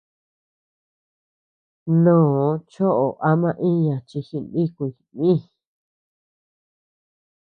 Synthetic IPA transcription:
nõː˦˨˦t͡ʃo˦ʔo˨ʔa˦mã˧ʔĩ˦ɲã˨t͡ʃi˧xi˧ndi˦kʷi˧˨nĩ˦˨

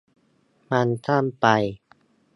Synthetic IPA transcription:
ma˧nt̪ʰa˥˩mpa˧j

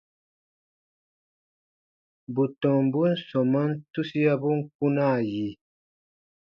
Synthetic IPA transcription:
bu˨tɔ̃˨m˨bu˦n̩˦sɔ˨ma˦n˦tu˦si˦a˦bu˦ŋ̩˦ku˦na˦˨ji˨

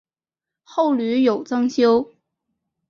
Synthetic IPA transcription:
xo˥˩ʊly˧˥jo˨˩ʊt͡sɤ˥ŋɕjo˥ʊ

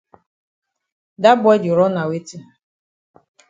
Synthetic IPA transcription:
da˦bʊ˦ɔ˦d͡ʒʊ˨ɾɔ˦na˨we˦ti˦˨

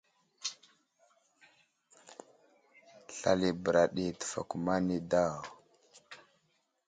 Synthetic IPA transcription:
ɬa̰˨li˨bə˨ɾa˨ɗi˨tə̥˨fa̰˨ku˨ma˦ni˦da˦˨ɣ

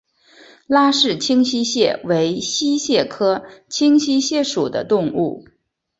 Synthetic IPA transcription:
la˥ʂɻ̩˥˩t͡ɕʰi˥ŋɕi˥ɕjɛ˥˩we˧˥ɪɕi˥ɕjɛ˥˩kʰɤ˥t͡ɕʰi˥ŋɕi˥ɕjɛ˥˩ʂu˨˩d̪ə̰˦t̪ʊ˥˧ŋṵ˥˩

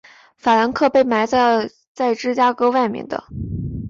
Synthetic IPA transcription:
fa˨˩la˧˥nkʰɤ˥˧pe˥˩ɪma˧˥ɪt͡sa˥˧ | t͡sa˥˩ɪʈ͡ʂɻ̩˥t͡ɕja˥kɤ˥wa˥˩ɪmjɛ̰˥˩nd̪ə̰˩

